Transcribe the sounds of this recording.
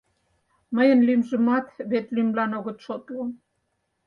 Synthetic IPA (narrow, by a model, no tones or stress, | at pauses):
məjə̆nlymʒə̆mɑt̪βet̪lymlɑnoɣə̆t̪ʃot̪lo